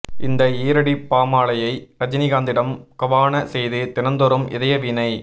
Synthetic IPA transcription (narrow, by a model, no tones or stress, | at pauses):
ɪnd̪ɐeːɾɐɽipːaːmaːɭɐjɐɪɾɐd͡ʒɪnɪɣaːnd̪ɪɽɐmkɐʋaːnɐsɛjðɯt̪ɪnɐnd̪ɔɾɯmɪ̰ðɐjɐʋinɐɪ